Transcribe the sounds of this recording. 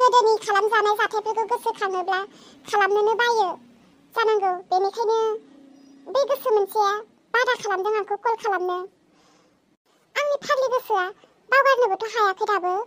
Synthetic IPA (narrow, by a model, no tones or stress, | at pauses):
pedenikʰalamzanawvatʰakʰɯɡɯɡɯsɯkʰanɯblakʰalamnɯnɯbajɯ | zanaŋɡɯbenikʰajnɯ | bɯɡɯsɯmɯnsɯa | bajdakʰalamdɯŋaŋkʰɯkɯlkʰalamnɯ | aŋnipʰanliɡɯsɯa | bawɡajk̚nɯbɯtʰɯɦawakʰɯdabɯ